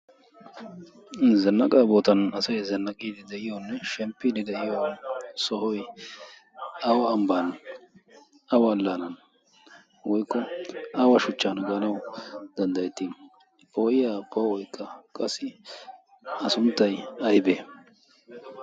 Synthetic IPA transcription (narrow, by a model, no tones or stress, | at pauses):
zɛnːɐkʼaːbo̞ːt̪ɐnɐsɐjzɛnːɐkʼiːd̪ɪd̪ɛʔɪjonːɛʃɛmpːiːd̪ɪd̪ɛʔɪjosɔhɔj | ɐwɐːmban | ɐwɐlːaːnɐn | wɔjkːɔɐwɐʃʊt͡ʃːaːnɡɐnɐwd̪ɐnd̪ɐjɛt̪ːi | pʰoːʔɪjapʰɔwɔjkʰːɐkʼɐsɪ | ɐsʊnt̪ːɐjɐjbeː